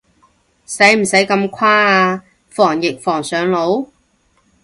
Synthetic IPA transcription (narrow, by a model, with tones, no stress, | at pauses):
sɐ˨˥jm̩˨˩sɐ˨˥jkɐ˧mkʰaː˥aː˧ | fɔː˨˩ŋjɪ˨k̚fɔː˨˩ŋsœː˨˧ŋlo˨˥w